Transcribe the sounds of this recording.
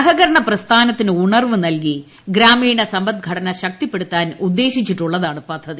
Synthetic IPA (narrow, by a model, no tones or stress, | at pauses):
ɦɐɣɐɾɐɳɐprɐst̪ʰaːnɐt̪ːinɨuɳɐrʋɨnɐlki | ɡɾaːmiːɳɐsɐmbɐd̪̚ɡʱɐɽɐnɐɕɐk̚t̪ipːe̞ɽut̪ːaːnud̪ːe̞ːɕit͡ɕːiʈːuɭːɐðaːɳɨpɐd̪ʱːɐði